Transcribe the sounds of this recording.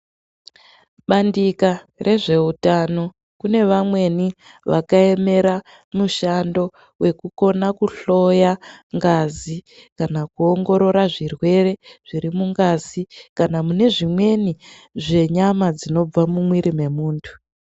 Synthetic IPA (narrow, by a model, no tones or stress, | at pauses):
ɓandika | rʔe̞ʐe̞utano̞ | kune̞ʋamwe̞ni | ʋakae̞me̞ɾa | muʃando̞ | we̞kuko̞nakuɬo̞jaŋɡazikanakuo̞ŋɡo̞ɾo̞ɾaʐirwe̞re̞ʐ̥iɾimuŋɡazikanamune̞ʐimwe̞ni | ʐe̞ɲamad͡zino̞b͡vamumwiɾime̞muːntʰu̥